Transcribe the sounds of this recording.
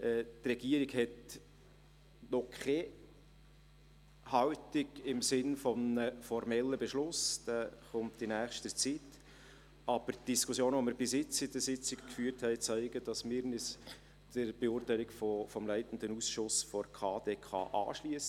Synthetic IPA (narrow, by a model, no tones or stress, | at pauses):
ʔɛːtrɛɡ̥iəɾiɡhɛt | nɔkʰɛ | hɑwtɪɡɪmsɪnfɔmnəfɔɾmɛlːəbɛʃlʊsd̥ɛχʊmtinæːχʃtət͡sit | ɑb̥əɾtd̥iskʰʊsjoːnʋoməɾb̥ɪsɪt͡sɪd̥̪əsɪt͡sɪkkfyːəɾthɛɪt͡sæɪɡəd̥ɑsmɪːɾnɪs | d̥əɾb̥eʊːrtæɪlikfɔfɔmlæɪtən̩d̪ənusʃʊsfɔɾkʰɑ̰ːdeːkʰɑ̰ːʔɑ̰ːʃliəsə